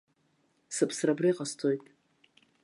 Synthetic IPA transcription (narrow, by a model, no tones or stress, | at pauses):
sɨpʰsrabriqʼastʰojtʼ